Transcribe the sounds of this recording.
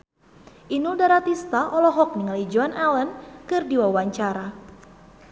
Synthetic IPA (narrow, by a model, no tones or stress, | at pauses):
ʔinuldaɾat̪ist̪aʔɔlɔɦɔk̚niŋalid͡ʒuanʔalənkɨrdiwawaɲt͡ʃaɾa